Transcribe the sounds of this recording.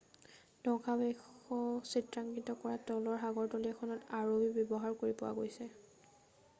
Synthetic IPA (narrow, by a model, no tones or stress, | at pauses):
d̥ɔkʰabɛxɔsitɹaŋɡitɔkɔɹatɔlɔɹɦaɡɔɹtɔliɛkʰɔnɔtaɹoibjɔbɔɦaɹkoɹipɔwa̰ɡojsɛ